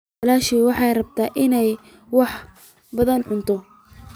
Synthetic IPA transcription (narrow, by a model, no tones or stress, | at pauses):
ɐlaːʃiːwɑħɑjrɐb̚t̪ʰaːʔɪnɛj | wɑħ | bɐðɐnʕʊnt̪ʰɔ